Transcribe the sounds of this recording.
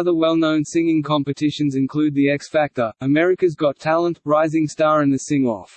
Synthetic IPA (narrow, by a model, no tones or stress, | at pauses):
ʌðə˞wɛlˠnə̃ʊ̃nsɪ̃ŋɪ̃ŋkʰɑ̃mpɨtʰɪʃɨ̃nzɨ̃nkʰl̥ʉd̪̚ðiɛksfæk̚tə˞əmɛɹɨkɨzɡɑtʰælˠə̃nʔɹaɪzɪ̃ŋstɑːɹɨ̃nðɨsɪ̃ŋɔ̰f